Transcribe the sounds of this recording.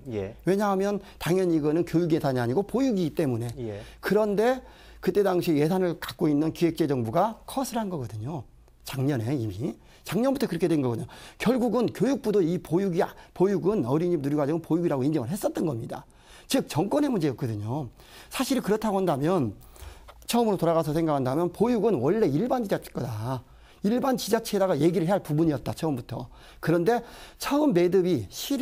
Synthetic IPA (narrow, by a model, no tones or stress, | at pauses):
jwe̞ɲaɦamjʌntaŋjʌɲiɡʌnɯnkjojuɡiesaɲiaɲiɡopojuɡit͈e̞mune̞kɯɾʌnde̞ | kɯt͈e̞daŋɕʰieje̞sʰanɯɭkak̚k͈oinːɯnkiɦe̞k̚t͡ɕ͈e̞d͡ʑʌŋbuɡakʰʌsʰɯɭɦanɡʌɡʌdɯɲo | t͡ɕaŋɲʌne̞imi | t͡ɕaŋɲʌnbutʰʌkɯɾʌkʰedwenɡʌɡʌdɯɲokjʌɭɡuɡɯnkjojuk̚p͈udoipojuɡiapojuɡɯnʌɾiɲimnuɾiɡad͡ʑiɡɯnpojuɡiɾaɡoind͡ʑʌŋɯɭɦe̞s͈ʌt̚t͈ʌnɡʌmɲida̰ | t͡ɕɯk̚t͡ɕʌŋkwʌne̞mund͡ʑe̞jʌk͈ʌdɯɲo | sʰaɕʰiɾikɯɾʌtʰaɡoɦandamjʌn | t͡ɕʰʌɯmɯɾotoɾaɣas̬ʰʌs̬ʰe̞ŋɡakʰandamjʌnpojuɡɯnwʌɭːe̞iɭband͡ʑid͡ʑat͡ɕʰe̥k͈ʌda | iɭbant͡ɕid͡ʑat͡ɕʰedaɡaje̞ɡiɾɯɭɦeaɭpubuɲiʌt̚t͈at͡ɕʰʌɯmbutʰʌ | kɯɾʌnde̞t͡ɕʰʌɯmːe̞dɯbiɕʰi